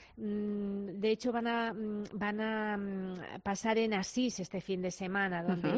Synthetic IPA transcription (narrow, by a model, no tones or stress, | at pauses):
d̪eet͡ʃoβanabana | pasaɾenasisest̪efind̪esemãnaðõnd̪e